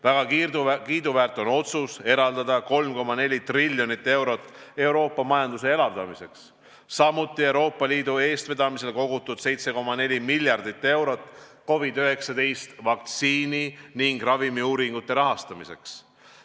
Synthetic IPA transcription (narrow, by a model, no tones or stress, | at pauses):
væɡ̥ɑk̪kiːd̪uvæːrt̪ːˑo̞no̞t̪suse̞ɾɑld̪ɑd̪̥ɑko̞lmko̞mːɑne̞lʲit̪riljo̞nit̪ːe̞wɾo̞t̪ːˑe̞wɾo̞ːpːˑɑmɑjɑnd̪̥use̞e̞lɑvd̪ɑmise̞ks | sɑmut̪ːˑie̞wɾo̞ːpːˑɑliːd̪ue̞ːst̪ve̞d̪̥ɑmise̞lko̞ɡ̥ut̪ːˑud̪̥se̞jt̪se̞ko̞mɑne̞lʲimilʲjɑrd̪it̪ːe̞wɾo̞t̪ːˑko̞vid̪yɦe̞ksɑd̪e̞jst̪vɑk̚t̪siːniniŋɡ̥rɑvimiuːɾiŋɡ̥ut̪ːˑe̞ɾɑɦɑst̪ɑmise̞ks